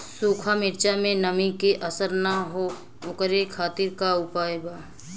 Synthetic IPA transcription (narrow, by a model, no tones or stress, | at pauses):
suːkʰamɪɾt͡ʃamẽnəmikeʔəsəɾnaɦo | okəɾekʰaːt̪ɪɾkaʊpaːjbaː